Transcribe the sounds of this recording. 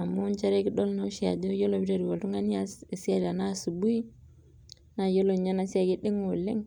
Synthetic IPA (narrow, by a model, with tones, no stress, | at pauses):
a˨mu˦nt͡ʃa˦ɾe˦ki˦ɗo˦lno˦ʃi˦a̰˨d͡ʒo˦jo˦lo˨bi˦ɾa˦˨ɾi˨wo˨tu˦ŋa˦ni˦a˦se˨si˦a˦˨ɾa˨na˦˨su˨bu˦i˦ | na˦˨jo˦lo˨ɲa˦na˨˦si˦a˨kɪ˦dɪ˦ŋo˨le˦ŋ